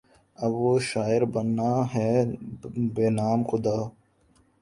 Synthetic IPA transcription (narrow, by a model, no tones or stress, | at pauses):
ɐbʋoʃaːɪɾbɐnːaːɦɛː | beːnaːmxʊd̪aː